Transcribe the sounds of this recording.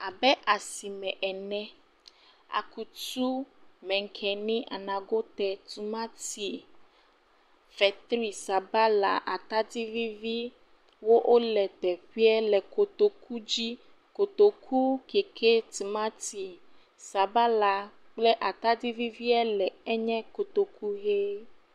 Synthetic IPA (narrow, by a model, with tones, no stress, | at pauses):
a˨bɛ˦ʔa˨si˨mɛ̃˨ʔɛ˨nɛ̃˦ | a̰˨ku˨tu˦mɛ̃˨ŋ̩˨kʰɛ˨nĩ˦ʔa̰˨nã˨ɡo˦t̪ɛ˨t̪u˨mã˦t̪i˨ | fɛ˨t̪ɾi˨sa˨ba˦la̰˨ʔa˨t̪a˦di˦vi˦vi˦ | wo˦ʔo˦lɛ˨t̪ɛ˨ɸi˦ɛ˦lɛ˨ko˨t̪o˨kʰu˦d͡ʑi˦ | ko˨t̪o˨kʰu˦ke˨kʰe˦t̪u˨mã˦t̪i˨ | sa˨ba˦la˨ | k͡ple˦ʔa˨t̪a˦di˦vi˦vi˦ɛ˦lɛ˨ɛ˦ɲɛ̃˦ko˨t̪o˨ku˦ɣe˦